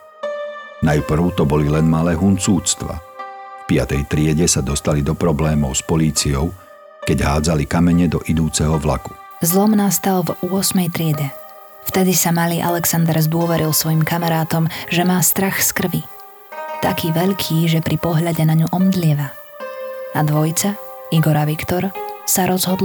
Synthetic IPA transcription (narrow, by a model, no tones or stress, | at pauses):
najpr̩ʊt̪ɔbɔlilɛnmalɛːɦunt͡suːt͡st̪ʋa̰fpɪa̰t̪ɛjt̪ɾɪɛɟɛsad̪ɔst̪alid̪ɔpɾɔblɛːmɔʊspɔliːt͡sijɔʊ | kɛɟɦaːd͡zalikamɛɲɛd̪ɔʔid̪uːt͡sɛɦɔʋla̰ku̥ | zlɔmnast̪alvʊɔsmɛjt̪ɾɪɛɟɛ | ft̪ɛd̪isamaliːʔalɛksand̪ɛɾzd̪ʊɔʋɛɾilsʋɔjimkamaɾaːt̪ɔmʒɛmaːst̪ɾaxskr̩ʋi | t̪akiːʋɛʎkʰiːʒɛpɾipɔɦʎaɟɛnaɲuʔɔmd̪lɪɛʋa | ad̪ʋɔjt͡saiɡɔɾaʋikt̪ɔɾsaɾɔzɦɔd̪l